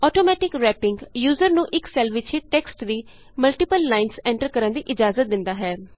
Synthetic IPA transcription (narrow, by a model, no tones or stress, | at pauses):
ɔːʈoːmɛːʈɪkɾɛːpɪŋɡjuːzəɾnũːʔɪksɛːlʋɪt͡ʃiːʈɛksʈʋiː | məlʈɪpəlːaːɪnsɛ̃ɳʈəɾkəɾə̃nd̪iːʔɪd͡ʒaːzət̪̚d̪ɪnd̪aːɦɛː